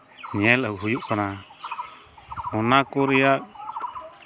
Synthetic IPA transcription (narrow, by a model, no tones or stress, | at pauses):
ɲɛlɔkɦujuʔkana | ɔnakɔɾɛjaʔ̚